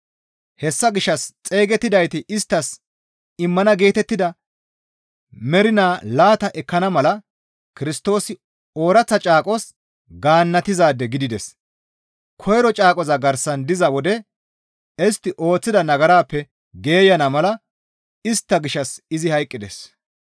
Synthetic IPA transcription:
hɛsːɐɡɪʃːɐst͡sʼe̞ːɡɛt̪ːɪd̪ɐjt̪ɪʔɪst̪ːɐs | ɪmːɐnɐɡe̞ːt̪ɛt̪ːɪd̪ɐ | mɛɾɪnaːlaːt̪ɐʔɛkːɐnɐmɐlɐ | kɪɾɪst̪o̞ːsɪ | oːɾɐt͡sːɐt͡ʃʼaːkʼɔs | ɡaːnːɐt̪ɪzaːd̪ːɛɡɪd̪ɪd̪ɛs | kʰɔjɾɔt͡ʃʼaːkʼɔzɐɡɐɾsɐnd̪ɪzɐwɔd̪ɛ | ɛst̪ːɪʔo̞ːt͡sːɪd̪ɐnɐɡɐɾaːpːɛ | ɡe̞ːjɐnɐmɐlɐ | ɪst̪ːɐɡɪʃːɐsɪzɪhɐjkʼːɪd̪ɛ̰s

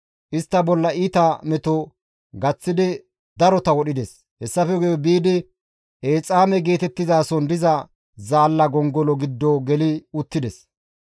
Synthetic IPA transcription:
ʔɪst̪ːɐbɔlːɐʔiːt̪amɛt̪ɔ | ɡɐt͡sːɪd̪ɪ | d̪ɐɾɔt̪ɐwɔɗɪd̪ɛs | hɛsːɐfɛɡɔjɔbiːd̪ɪ | ʔeːt͡sʼaːmɛɡe̞ːt̪ɛt̪ːɪzaːsɔnd̪ɪzɐ | zaːlːɐɡɔŋɡɔlɔɡɪd̪ːɔɡɛlɪʊt̪ːɪd̪ɛs

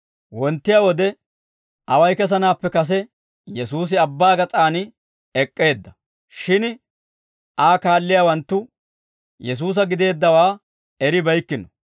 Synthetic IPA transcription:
wɔnt̪ːɪjawɔd̪ɛ | ʔɐwɐjkɛs̬ɐnaːpːɛkɐs̬ɛ | jɛsuːs̬ɪɐbːaːɡɐt͡sʼaːnɪ | ɛkʼːe̞ːd̪ːɐ | ʃɪn | ʔaːkaːlːɪjaːwɐnt̪ːʊ | jɛs̬uːs̬ɐɡɪd̪e̞ːd̪ːɐwaː | ɛɾɪbɐjkːɪnɔ

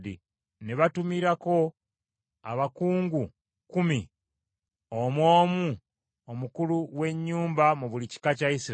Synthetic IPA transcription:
dḭ | neβatumiɾako̞ | a̰βakuːŋɡu | kumi | omwo̞ːmu | omukuluwe̞ɲːuːmbamuβulici̥kacaisiɾ

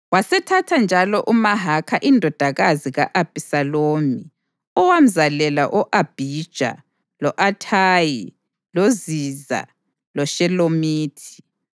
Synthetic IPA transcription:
wasɛtʰatʰand͡ʒʱalɔʔumaɦakʰaʔindʱɔd̥ʱaɣaziɣaʔab̥ʱʼisaloːmi | ɔwam̩zalɛla̰ʔɔʔab̥ʱid̥ʒ̥ʱa̰ | lɔʔatʰaːji | loziza̰ | lɔʃɛlomiːtʰi̥

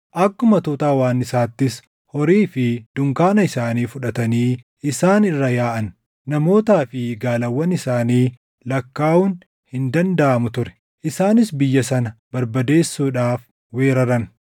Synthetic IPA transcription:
ʔɐkːʊmɐt̪oːt̪aːwaːnɪsaːt̪ːɪs | hɔɾiːfɪd̪̥ʊŋkaːnɐɪsaːniːfʊᶑɐt̪ɐniː | ɪsaːnɪrːɐjaːʔɐnː | ɐmo̞ːt̪aːfɪɡaːlɐwːɐnɪsaːniː | lɐkːaːun | hɪnd̪ɐnd̪ɐʔɐmʊt̪ʊɾɛ̥ | ʔɪsaːnɪsbɪjːɐsɐnɐbɐɾbɐd̪e̞ːsːuːᶑaːf | we̞ːɾɐɾɐn

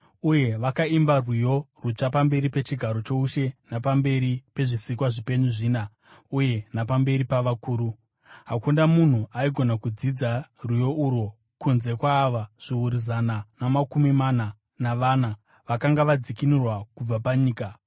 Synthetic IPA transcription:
uje̞ʋakaimbarwujo̞rut͡ʂapambe̞ɾipe̞t͡ʃiɡʱaɾo̞t͡ʃo̞uʃe̞napambe̞ɾipe̞ʐisikwaʐipe̞ɲuʐiːna | uje̞napambe̞ɾipaʋakuːɾu | ɦakundamun̤uaiɡʱo̞nakud͡zid͡zarujo̞ʔuɾo | kunze̞kwaːʋaʐ̥iuɾizananamakumimana | naʋana | ʋakaŋɡaʋad͡zikinirwakub͡vapaɲiːka

